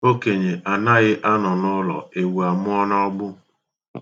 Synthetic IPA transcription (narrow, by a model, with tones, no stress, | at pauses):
o˦ke˨ɲe˨ʔa˨na˦ɣɪ˦ʔa˦nɔ˨nʊ˦lɔ̰˨e˨wu˨a˨mʊ˦ɔ˦na˦ɔ˦ɡ͡bʊ˦